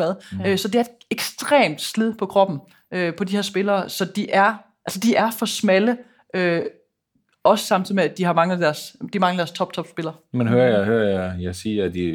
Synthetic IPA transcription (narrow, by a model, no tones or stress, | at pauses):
æðˠsɒ̽d̥eæɐe̝d̥eɡ̥sd̥ʁḛːmd̥sleð̰ˠpʰɒ̽kʰʁɒ̽b̥n̩ | øpʰɒ̽dihe̝ɐ̰sb̥e̝lɐːsɒ̽d̥iʔæɐ | ʔælsəd̥iʔæɐfɒ̽smælə | ʔø | ɒ̽sə̥sɑ̈m̰t͡sʰið̩ˠmeæd̥iɦɑ̈mɑ̈ŋəæd̥æɐsd̥imɑ̈ŋəæd̥æɐst͡sʰɒ̽b̥̚t͡sʰɒ̽b̥sb̥e̝lɐːmenɦøɐjhøɐjjɑɪsiːɐæd̥i